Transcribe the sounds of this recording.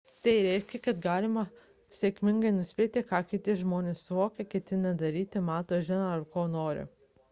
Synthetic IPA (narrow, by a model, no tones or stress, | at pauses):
t̪ɐɪɾʲɛɪʃʲkʲɛkɐt̪ɡɑːlʲɪmɐ | sʲekʲmʲɪŋɡɐɪnʊsʲpʲeːt̪ʲɪkɑːkʲɪt̪ʲɪsʒmoːnʲeːssʊʋoːkʲɛkʲɛt̪ʲɪnɐd̪ɐɾʲiːt̪ʲɪmɑːt̪oːʒʲɪnɐɐɾkoːnoːɾʲɪ̰